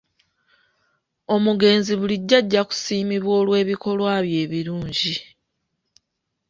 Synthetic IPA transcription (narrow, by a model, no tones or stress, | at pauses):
o̞muɡe̞ːnziβuliɟːaɟːaku̥siːmiβwo̞ːlwe̞ːβiko̞lwaːβje̞ːβiɾuːɲɟi